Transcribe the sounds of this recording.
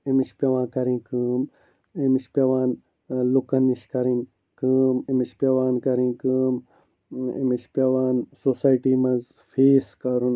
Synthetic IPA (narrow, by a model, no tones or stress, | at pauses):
imiʃpʲjɐʋãːkɐɾĩːkɨːm | imiʃpjɐʋaːn | lukɐniʃkɐɾin | kɨmimiʃpjɐʋaːnkɐɾĩːnkɨːm | ḭmiʃpʲɐʋaːnsosaːjʈiːmɐz | fʰiːskɐɾun